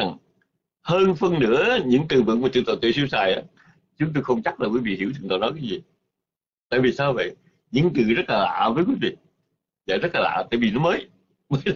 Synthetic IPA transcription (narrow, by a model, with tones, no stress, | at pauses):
a˨˩ŋ | həː˧nfə˧nːɨ̰˧˥əɲɨ̰˧˥ŋt̪ɨ˨˩vɨ̰˧˨ŋmaː˨˩t͡ɕ̪ɨ̰˧˨˩t̪o̰˧˨˩t̪ḭ˧˨swi˧wsaː˨˩jʔaː˨˦ | t͡ɕʊ˨˦ŋ͡mt̪o˧jxə˧wŋ͡mt͡ɕa˦˥k̚laː˨˩kwi˨˦vḭ˧˨hi˧˥wt̪ʰɨ˨˩ŋt̪ɔ̰˧˨˩nɔ˨˦jk̬aː˨˦jzi˨˩ | t̪a̰ː˧˨jvi˨˩saː˧wvə̰˧˨j | ɲɨ̰˧˥ŋt̪ɨ̰˧˨zə˦˥t̚laː˨˩la̰ː˧˨vəː˨˦jkwi˨˦vḭ˧˨ | za̰ː˨˩zə˦˥laː˨˩a̰ː˧˨t̪a̰ː˧˨jvi˨˩nɔ˨˦məː˨˦j | məː˨˦